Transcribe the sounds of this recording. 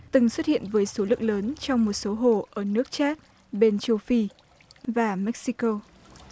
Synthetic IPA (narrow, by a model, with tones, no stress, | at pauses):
t̪ɨ˨˩ŋswə˦˥t̚hḭ˧˨ənvəː˨˦jso˨˦lɨ̰˧˨əŋləː˨˦nt͡ɕɔ˧wŋ͡mmo˨˩t̚so˨˦ɦo̰˧˩ʔəː˧˩nɨ˦˥ək̚t͡ɕaː˦˥t̚ | ɓe˧nt͡ɕə˧wfi˧ | vaː˨˩mɛ˦˥k̚si˧ko˧